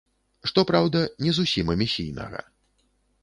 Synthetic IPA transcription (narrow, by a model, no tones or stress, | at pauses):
ʂt̪ɔpɾawd̪ɐnʲɛzusʲimɐmʲisʲijnɐ̰ɣɐ̰